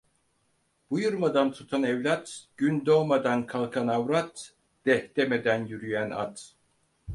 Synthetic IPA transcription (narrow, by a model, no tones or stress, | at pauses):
b̥ujuɾmad̪ant̪ʰut̪ʰanɛvlʲat̪ɟ̥ynd̪omad̪ankʰalˠkʰanavɾat̪ | d̪̥ɛhd̪̥emed̪ænjyɾyjæna̰t̪